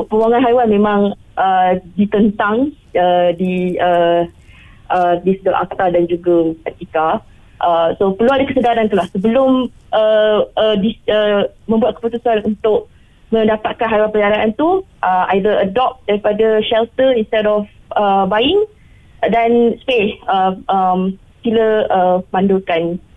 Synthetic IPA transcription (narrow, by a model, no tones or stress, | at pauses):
pəwaŋãnɦajwanmẽmãŋʔədit̪ənt̪aŋ | ədiə | ʔədisədəlʔa̰k̚t̪adand͡ʒuɡaət̪ika | ʔəsopərluadəkəsədaɾank̪ulahsəbəlʊm | ʔəədiəmə̃mbuat̪̚kə̥put̪usanunt̪ʊʔ̚ | mə̃ndapat̪̚kanɦaɾapəɲaɾaʔant̪uʔəajdəədɔp̚daɾipadaʃɛlt̪əinst̪ɛdɔf | əbaɪŋ | danspehəʔəm | piləəmãndʊlkan